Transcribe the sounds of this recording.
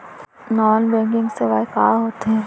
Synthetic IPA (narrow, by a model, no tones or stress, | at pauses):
nɔːnbɛ̃ːŋkɪ̃ŋɡseʋaɪkaːɾɦoːt̪eɦɛ̃ː